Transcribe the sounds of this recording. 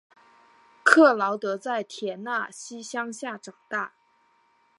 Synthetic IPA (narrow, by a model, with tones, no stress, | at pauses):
kʰɤ˥˩lɑ˧˥ʊt̪ɤ˧˥t͡sa˥˩ɪt̪ʰjɛ˧˥na˥˩ɕi˥ɕjɑ˥ŋɕja˥˩ʈ͡ʂɑ˨˩ŋt̪a˥˩